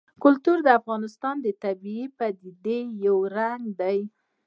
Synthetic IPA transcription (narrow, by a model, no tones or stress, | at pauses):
kʊlt̪uɾd̪əafɣɑnɪst̪ɑnd̪ət̪abiipad̪id̪ejawɾaŋɡd̪aj